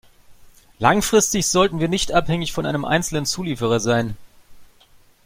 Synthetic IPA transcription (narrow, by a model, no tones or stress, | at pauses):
laŋfʁ̥ɪstɪçz̥ɔltn̩viːɐnɪçtʔaphɛŋɪçfɔnʔa̰ɪnəmʔa̰ɪnt͡sl̩nənt͡suːliːfəʁ̞ɐzaɪn